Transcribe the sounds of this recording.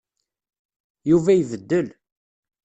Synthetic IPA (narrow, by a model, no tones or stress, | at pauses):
juvæjvəd̪ːəl